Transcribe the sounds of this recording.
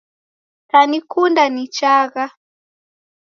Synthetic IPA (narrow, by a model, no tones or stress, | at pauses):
tanikundanit͡ʃaɣa